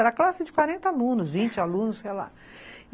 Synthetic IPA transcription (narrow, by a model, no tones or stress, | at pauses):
ɛɾɐklasɪd͡ʒɪkwaɾẽnt̪alũnʊzvĩnt͡ʃɪalũnʊsejla̰